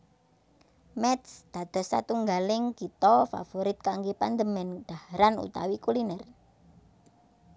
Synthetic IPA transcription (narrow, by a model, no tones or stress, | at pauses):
mɛt̪sd̪̥a̤d̪̥ɔ̤sːa̰t̪uŋɡalɪŋkit̪ɔfa̰foɾit̪̚kaŋɡepand̪əmɛnɖ̪̥ahɾanṵt̪a̰wikulinɛr